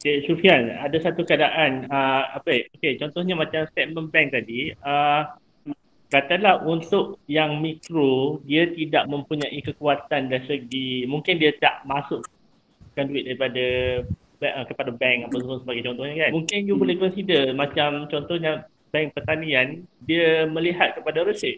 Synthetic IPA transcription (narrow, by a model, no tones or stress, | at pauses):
diʃufianadasat̪ukəadaʔanəa̰pəoket͡ʃɔnt̪ɔhɲamat͡ʃamst̪ɛt̪̚mə̃nbɛŋ̚t̪adiə | kat̪alahunt̪ʊʔ̚jaŋmikɾodiat̪idaʔmə̃mpuɲaʔikəkuat̪andansəɡimuŋkɪndiat̪a̰ʔmasʊʔ | kanduɪt̪̚daɾipada | bʔkəpadabɛŋkapapʊnsəbaɡajt͡ʃɔnt̪ɔhɲakanmuŋkɪnjubolɛhkɔnsidəmat͡ʃamt͡ʃɔnt̪ɔhɲa | bɛŋpərt̪aniandiəmə̃liɦat̪̚kəpadaɾəsɪt̚